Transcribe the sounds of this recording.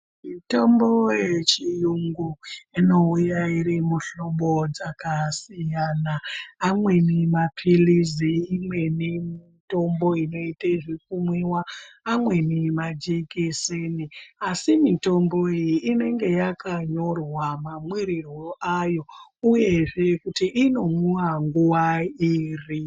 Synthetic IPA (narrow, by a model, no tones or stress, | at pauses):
mito̞mbo̞jet͡ʃijuŋɡuino̞ujaiɾimuɬoɓo̞d͡zakasijanaːmwe̞nimapʰiliziːmwe̞nimito̞mbo̞ino̞iteʐikumwiwaːmwe̞nimad͡ʒikiseniasimito̞mbo̞ijiʔːne̞ŋɡe̞jakaɲo̞rwamamwiɾiroʔajo̞uje̞ʐe̞kutiʔino̞muwaŋɡuwaiːri